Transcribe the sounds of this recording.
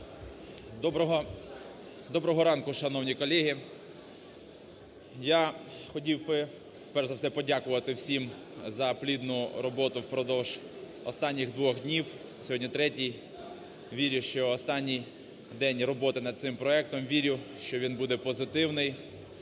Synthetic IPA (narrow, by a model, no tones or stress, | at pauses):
d̪ɔbɔɦɔ | d̪ɔbɾɔɦɔɾɑnkʊʃɐnɔwnʲikɔlʲɛɦi | jaxɔtʲiwbɪ | fpɛrʒzɐwsɛpɔdʲakʊʋɐt̪ɪwsʲim | zɐplʲid̪nʊɾɔbɔt̪ʊwpɾɔd̪ɔwʒ̥ | ɔ̰st̪ɑnʲːiɣd̪ʋɔxdʲnʲiw | sʲɔɦɔdʲnʲit̪ɾɛtʲij | ʋʲiɾʲʊʃt͡ʃɔːst̪ɑnʲːij | d̪ɛnʲrɔbɔt̪ɪnɐd̪̚t̪sɪmpɾɔɛk̚t̪ɔmʋʲiɾʲʊʃt͡ʃɔʋʲinbud̪ɛpɔzɪt̪ɪwnɪj